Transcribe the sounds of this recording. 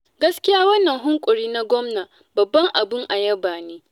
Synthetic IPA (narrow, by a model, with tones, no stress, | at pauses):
ɡɐ˦skʲɪ˦jaː˦wɐ˦nːɐ˨ŋɦʊ˦ŋkʷʼʊ˨ɾiː˦na˦ɡʷɔ˦mnaː˨ | bɐ˨bːɐ˦ŋʔa˨bɪ˦ŋʔa˨jɐ˦baː˨neː˦